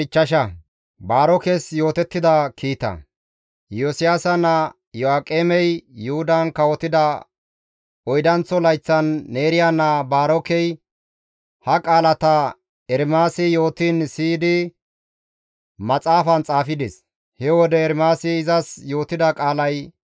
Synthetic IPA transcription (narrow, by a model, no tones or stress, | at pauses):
ɪt͡ʃːɐʃɐ | baːɾɔkɛsjo̞ːt̪ɛt̪ːɪd̪ɐkʰiːt̪ɐ̰ | josɪjaːsɐnɐ | jɔaːkʼːeːmɛjːʊhʊd̪ɐnkɐwɔt̪ːɪd̪ɐ | ɔjd̪ɐnt͡sːɔlɐjt͡sːɐnːeːɾɪjanːɐbaːɾɔkɛj | hɐkʼaːlɐt̪ɐ | ɛɾmaːsɪjo̞ːt̪iːnsiːd̪ɪ | mɐt͡sʼaːfɐnt͡sʼaːfɪd̪ɛs | hɛwɔd̪ɛːɾmaːsɪːzɐsjo̞ːt̪ɪd̪ɐkʼaːlɐj